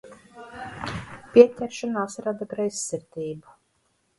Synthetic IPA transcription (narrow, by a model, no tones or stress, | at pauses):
pʲiɛtʲɛɾʃanaːsɾad̪aɡɾɛjsːiɾt̪ʲiːbu